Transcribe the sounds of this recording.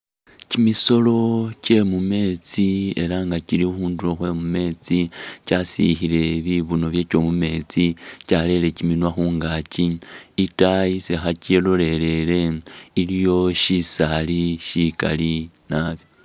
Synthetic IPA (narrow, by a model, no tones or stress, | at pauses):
cimiso̞lo̞ce̞mume̞t͡sie̞̰ɾaŋɡaciɾiuxuːnduloxwe̞mume̞t͡sicasḭxile̞βiβuno̞βje̞ːco̞mume̞ːt͡sicale̞le̞ciminwaxuːŋɡaːciitajisexacelole̞ɾe̞le̞ilijo̞ʃisaliʃika̰li | naβjo